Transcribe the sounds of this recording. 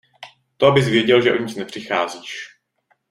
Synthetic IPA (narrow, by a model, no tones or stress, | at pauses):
t̪oʔabɪzvjɛɟɛlʒɛʔoɲɪt͡snɛpr̝̥ɪxaːziːʃ